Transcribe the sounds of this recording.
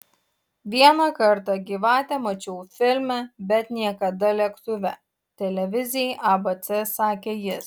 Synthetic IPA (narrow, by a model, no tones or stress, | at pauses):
ʋʲiɛnɑkɐɾt̪ɑɡʲiːʋɑːt̪ʲɛmɐt͡ʃʲɛʊfʲɪlʲmʲɛbʲɛt̪nʲiɛkɐd̪ɐlʲɛkt̪ʊʋʲɛ̰ | t̪ʲɛlʲɛʋʲɪzʲɪjɛʔɑbɐt̪sʲɛsɑːkʲeːjɪs